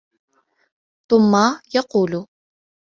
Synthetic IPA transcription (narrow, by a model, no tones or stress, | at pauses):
t̪ʊmːajɑquːlʊ